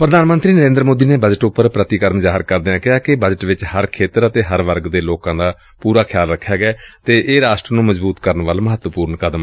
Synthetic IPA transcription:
pɾəd̪ʱaːnmə̃nt̪ɾiːnəɾẽːnd̪ɾmoːd̪iːneːbəd͡ʒəʈʊpːəɾpɾət̪iːkəɾmzaːɦəɾkəɾd̪eãːkɪɦaːkɪbəd͡ʒəʈʋɪt͡ʃhəɾkʰeːt̪əɾət̪eːɦəɾʋəɾɡd̪eːloːkãːd̪aː | puːɾaːkʰjaːlɾəkʰːjaːɡɛːt̪eːʔːɾaːʃʈɾənũːməzbuːt̪kəɾənʋəlməɦət̪ʋəpuːɾnkəd̪əm

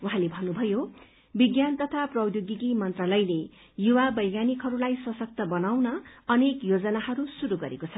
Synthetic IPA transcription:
uɦãlebʱʌnːubʱʌjo | biɡjant̪ʌt̪ʰaprʌwjoɡikimʌnt̪ralʌjle | juwabʌjɡanikɦʌɾulajsʌsʌk̚t̪ʌbʌnawnʌʌnekjod͡zʌnahʌɾusuɾuɡʌɾḛkot͡sʰʌ

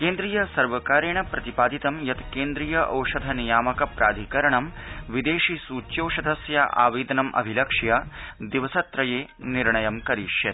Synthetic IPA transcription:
keːnd̪ɾijɐsɐɾʋɐkaːɾeːɳɐpɾɐt̪ipaːd̪it̪ɐmjɐt̪keːnd̪ɾijɐʔɐ̰wʃɐd̪ʱɐnijaːmɐkɐpɾaːd̪ʱikɐɾɐɳɐmʋid̪eːʃisuːt͡ʃjoːʃɐd̪ʱɐsjɐʔa̰ːʋiːd̪ɐnɐmʔɐ̰bʱilɐkʂjɐd̪iʋɐsɐt̪ɾɐjeː | niɾɳɐjɐmkɐɾiːʂjɐt̪̚

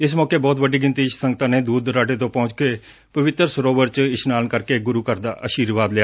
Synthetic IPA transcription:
ɪsmɔːkeːbɔːt̪bəɖiːɡɪnt̪iːɪʃsəŋɡət̪ãːneːd̪uːd̪ɾaːʈeːt̪õːpɔ̃ʊt͡ʃkeː | pəʋɪt̪ːəɾsəɾoːʋəɾt͡ʃɪʃnaːlnkəɾkeːɡʊɾuːkəɾd̪aːʔəʃiːɾʋaːd̪lɪjaː

